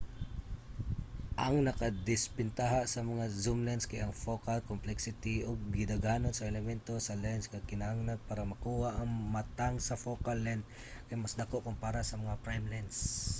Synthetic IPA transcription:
ʔɐŋnɐkad̪ɪspɪnt̪aɦasɐmɐŋazumlɛnskɐjɐŋfokalkomplɛksɪt̪iʔoɡ̚ɡɪd̪aɡanonsɐɛlɛmɛnt̪osɐlɛnskɐkɪnɐhaŋnaɡ̚paːɾɐmɐkuːhaʔɐŋmat̪aŋsɐfokalːɛnd̪̚ | kajmasd̪akoʔkʊmpaɾasɐmɐŋapɹajmlans

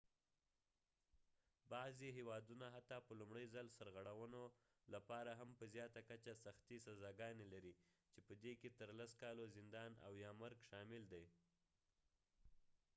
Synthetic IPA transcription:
bɑzeɦewɑd̪unaɦat̪ɑpəlumɽəjzalsaɾɣaɽawəno | lapɑɾaɦampəzjɑt̪akat͡ʃasaxt̪isazɑɡɑnelaɾi | t͡ʃepəd̪eket̪əɾlaskɑlozɪnd̪ɑna̰wjɑmaɾɡʃɑmɪld̪aj

